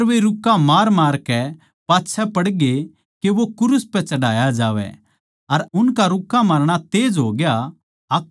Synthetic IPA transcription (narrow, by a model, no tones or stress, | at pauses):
ɾʋeɾʊkːamaːɾmaːɾkɛ | paːtːʃʰɛpɐɽɡe | keʋokʊɾʊspɛ̃t͡ʃɐɽaːjad͡ʒaːʋɛ̰ | ɐɾʊnkaɾʊkːãmaːɾɽ̃at̪eːd͡ʒɦoːɡja | ɐk